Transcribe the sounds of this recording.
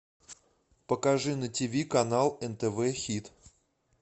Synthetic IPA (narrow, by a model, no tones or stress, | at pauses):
pəkaʐɨnətʲivʲikɐnalˠɛnt̪ɛvɛxʲit̪